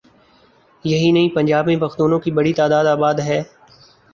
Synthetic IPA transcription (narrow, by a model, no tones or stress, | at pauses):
jɐɦinɐɦĩpɐ̃nd͡ʒaːbmẽpɐxt̪uːnõkibɐɽit̪aːd̪aːd̪aːbaːd̪ɦɛː